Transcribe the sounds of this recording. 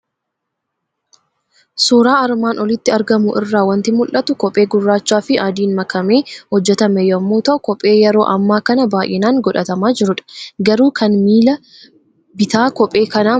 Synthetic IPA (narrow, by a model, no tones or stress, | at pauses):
suːɾaːɐɾmaːnɔlɪt̪ːɪɐɾɡɐmʊʔɪrːaːwɐnt̪ɪmʊlʔːɐt̪ʊkɔpʼeːɡʊrːaːt͡ʃːaːfɪʔaːd̪iːnmɐkɐmeːhɔd͡ʒːɛt̪ɐmɛjɐmːuːt̪ɐʔɔkɔpʼːe̞ːjɛɾo̞ːʔɐmːaːkɐnɐbaːʔjʔɪnaːŋɡɔᶑɐt̪ɐmaːd͡ʒɪɾʊᶑɐ̥ɡɐɾuːkʰɐnmiːlɐ | bɪt̪aːkɔpʼe̞ːkɐnaː